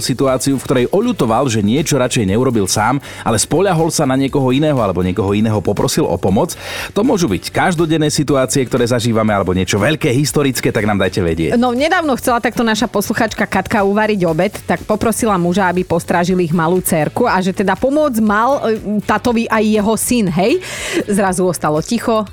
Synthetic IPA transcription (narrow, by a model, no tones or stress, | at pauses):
sit̪uaːt͡siufkt̪ɔɾɛjʔɔʎut̪ɔʋalʒɛɲɪɛt͡ʃɔɾat͡ʃɛjɲɛuɾɔbilsaːm | ʔa̰lɛspɔʎaɦɔlsanaɲɪɛkɔɦɔinɛːɦɔalɛbɔɲɪɛkɔɦɔinɛːɦɔpɔpɾɔsilɔ̰pɔmɔt͡st̪ɔmʊɔʒubickaʒd̪ɔɟɛnːɛsit̪uaːt͡siɛk̚t̪ɔɾɛːzaʒiːʋamɛalɛbɔɲɪɛt͡ʃɔʋɛʎkɛːɦist̪ɔɾit͡skɛːt̪aɡnaːmd̪ajcɛʋɛ̰ɟɪɛ̰cnɔɲɛd̪aːʊnɔxt͡sɛlat̪ak̚t̪ɔnaʃapɔsluxaːt͡ʃkakat̪kauʋaɾiɟɔbɛt̪ːakpɔpɾɔsilamuʒaabipɔst̪ɾaʒiliɣmaluːt͡sɛɾkuaʒɛt̪ɛd̪apɔmɔd͡zmalt̪at̪ɔʋiʔajːɛɦɔsinɦɛjzɾazuɔst̪alɔcixɔ